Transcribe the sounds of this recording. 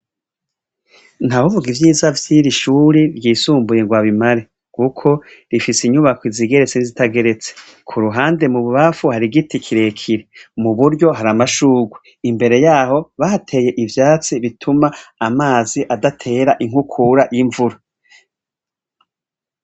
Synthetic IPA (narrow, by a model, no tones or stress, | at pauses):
n̥aβuvuɡivjiːzavjiɾiʃuːɾiɾjiːsuːmbuje̞ŋɡwaβimaɾe̞ | kukʰo̞ɾifisiɲuβakwiziɡe̞ɾet͡senizitaɡe̞ɾe̞t͡se̥ | kʰuɾuɦaːnde̞muβuβafuhaɾiɡitikʰiɾe̞kʰiɾemuβuɾɟo̞ɦaɾamaʃuːɡwe | imbe̞ɾe̞jaːho̞βahatʰe̞je̞ʔivjaːt͡siβitʰumaːmaːziʔadatʰe̞ɾaʔiŋ̥ukʰuɾajiɱvuɾa